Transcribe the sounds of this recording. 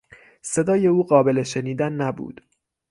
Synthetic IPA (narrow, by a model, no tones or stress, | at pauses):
se̞d̪ɒːje̞uːɢɒːbe̞le̞ʃe̞niːd̪ænːæbṵːd̪̥